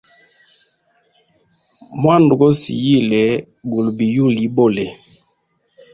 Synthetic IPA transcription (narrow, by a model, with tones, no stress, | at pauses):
mwa˦˨n˨du˨ɡɔ˦sḭ˨ji˦˨lɛ˨˦ | bu˨lbi˨ju˦li˨˦bo˦˨lɛ˨